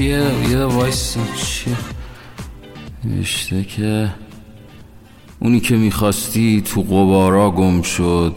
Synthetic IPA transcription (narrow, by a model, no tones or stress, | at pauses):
ejevɒjsit͡ʃʰi | nḛvḛʃt̪ecʰe | ʔuniːcʰe̞miːxɒːst̪iːt̪ʰuɣobɒːɾɒːɡomʃod̪̥